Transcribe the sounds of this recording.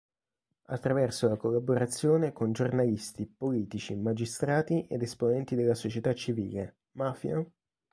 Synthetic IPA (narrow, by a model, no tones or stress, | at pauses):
a̰t̪ːɾavɛrsolakolːaboɾat̪sːjoːnekond͡ʒornalist̪ipoliːt̪it͡ʃimad͡ʒist̪ɾaːt̪iʔed̪esponɛnt̪id̪elːasot͡ʃet̪at͡ʃːivḭːle | maːfja